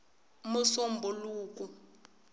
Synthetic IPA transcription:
musombʱuluːkʼu

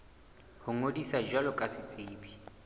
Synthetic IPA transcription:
hʊŋodisad͡ʒwalɔkʼasɪt͡sʼeːbi

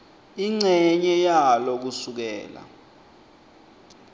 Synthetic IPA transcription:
iŋ͡ǀɛɲɛjalok̬usuk̬ɛ̰ːla̰

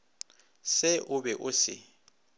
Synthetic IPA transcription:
sɪʔʊbɛʔʊsɪ̰

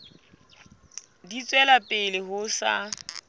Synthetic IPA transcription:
dit͡sʼwɛlapʼɪlɪɦʊsa̰

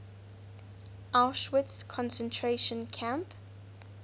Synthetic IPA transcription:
ʔaʊʃwətskʰɔ̃nsə̃ntʰɹeʃə̃nkʰãmp

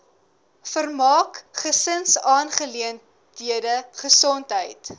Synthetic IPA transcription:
fərmɑːkχəsənsɑːnχəliən | d̥iədəχəsɔntɦəjt

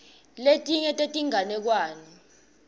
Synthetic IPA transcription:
letʼiɲɛtʼetʼiŋanɛk̬waːnɔ

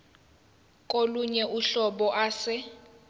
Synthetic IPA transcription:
kʼoluɲɛʔuɬɔɓɔʔaːsɪ

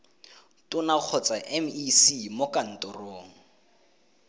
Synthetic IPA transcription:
tʊnak͡xʰɔt͡saʔɛmisimokan̩tʊroːŋ̩

